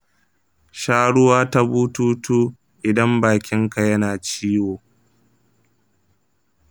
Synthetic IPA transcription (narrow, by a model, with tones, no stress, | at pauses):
ʃaː˦ɽʊ˦waː˦ta˦buː˦tuː˦tuː˦ | ʔɪ˨dɐ˦mbaː˨kʲɪ˦ŋka˨jɐ˦naː˨t͡ʃiː˦woː˨